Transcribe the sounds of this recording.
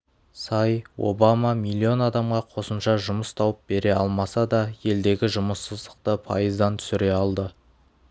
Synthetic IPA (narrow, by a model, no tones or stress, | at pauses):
sɑjwo̞̰bamɑmilʲˠːio̞nɑd̪ɑmʁɑqʰo̞səmʃɑʒʊməst̪ʰɑwəp̚be̞ɾe̞ɑ̰lˠmɑsɑd̪ɑje̞ld̪e̞ɡʲɪʒʊməsːəzd̪əqt̪əpʰɑ̰jəzd̪ɑnt̪ʰʏ̥sɪɾe̞ɑlˠd̪ə